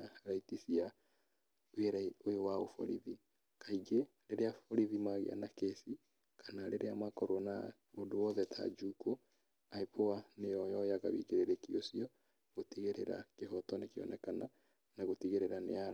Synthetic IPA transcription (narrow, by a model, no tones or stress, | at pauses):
aɾaitisia | weɾaojowao̰fɔ̰ɾḭði | kaiɡeɾeɾeafɔɾiðimaɣḛa̰nakesi | kʰḁnaɾeɾeamakɔɾona | odowɔðɛtʰa̰d͡ʒuko | aipʰoanejɔjɔjaɣa̰βḭːkeɾeɾekiosiɔ | ɣotiɣeɾḛɾa̰keɦɔtɔnekeɔ̰nɛkana̰ | naɣotiɣeɾeɾanḛa